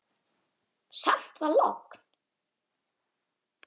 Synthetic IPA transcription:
sam̥t̪vaɾlo̰kn̥

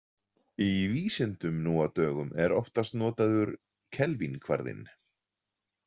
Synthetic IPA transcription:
iviːsɪnt̪ʏmnuːat̪œːɣʏmɛɾɔft̪ast̪nɔːt̪aðʏɾ | cʰɛlvinkʰva̰ɾðɪ̰n

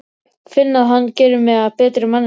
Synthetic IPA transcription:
fɪnːaðɦanːcɛːɾʏmɛðaðpɛːt̪ɾɪmanː

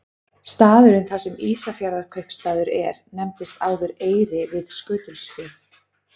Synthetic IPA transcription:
st̪aːðʏɾʏnθasɛmiːsafjaɾðakʰœɥhpst̪aːðʏɾɛɾnɛmt̪ɪst̪aːwðʏɾeːjɾɪvɪðskʏːt̪ʏlsfɪθ

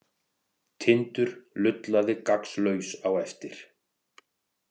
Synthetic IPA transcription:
t̪ʰɪnt̪ʏɾ̥lʏt̪laðɪkakslœɥsawɛft̪ɪɾ̥

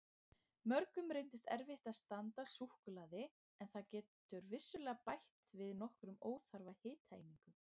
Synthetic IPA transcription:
mœɾkʏmɾejnt̪ɪst̪ɛ̰ɾvɪht̪aðst̪ant̪asuhkʏlaːðɪ | ɛnθaðcɛːt̪ʏɾvɪsːʏlɛːɣapajht̪vɪðnɔhkɾʏmoːwθaɾvahɪːt̪ha̰ːjniŋkʏ

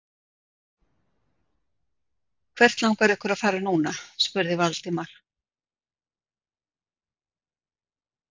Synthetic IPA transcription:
kʰvɛr̥t̪lawŋkaɾɛhkʏɾaðfaːɾanuːnaspʏɾðɪvalt̪ɪmaɾ̥

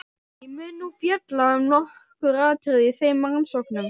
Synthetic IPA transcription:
imʏnːupjɛt̪laʏmnɔhkʏɾaːðt̪ʰɾɪðiθejmːaŋnsɔknʏm

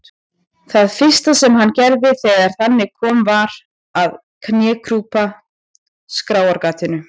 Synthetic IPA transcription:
θaðfɪr̥st̪asɛmɦanːcɛɾðɪθɛɣaɾ̥θanːɪkʰɔːmvaɾ | að | kʰnjɛːkʰɾuːpa | skɾaːwaɾkaːt̪ɪnʏ

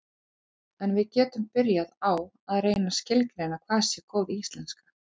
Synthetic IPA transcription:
ɛnvɪðcɛːt̪ʏmpɪɾjaðaw | aðreːjnascɪlkɾeːjnakʰvaːðsjɛkʰoːwðɪist̪lɛnskḁ

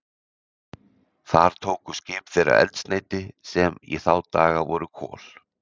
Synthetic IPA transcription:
θaɾ̥t̪ʰoːwkʏscɪːpfɛːɾa̰ɾɛ̰lt̪sneːjt̪ɪsɛmḭθaːwt̪aːɣavɔɾʏkʰɔ̰ːl̥

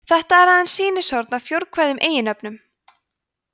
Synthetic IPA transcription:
θɛht̪aɛɾaðansiːnɪsɔɾt̪navfjowɾkʰvaːjðʏmʔeːjɪnœpnʏm

